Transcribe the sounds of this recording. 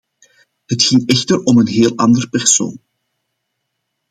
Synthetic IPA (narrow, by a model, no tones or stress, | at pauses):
hətxɪŋɛxtərɔmənɦeːlˠɑ̰ndərəpɛrso̰ːn